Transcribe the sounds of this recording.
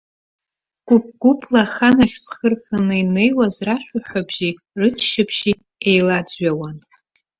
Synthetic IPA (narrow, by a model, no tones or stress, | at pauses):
ɡ̥ʷʊp̚ʰɡ̥ʷʊpʰlaχanaχʲsχərχanɨine̞jwazraʃᶣʷaħʷᶣabʒi | rɨt͡ʃʰʃapʰʃi | ejlad͡zɥawan